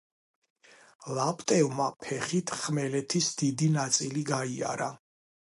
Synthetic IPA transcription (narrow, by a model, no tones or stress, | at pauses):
lapʼt̪ʼɛvmapʰɛχit̪ʰχmɛlɛt̪ʰisd̪id̪inat̪sʼiliɡaia̰ɾa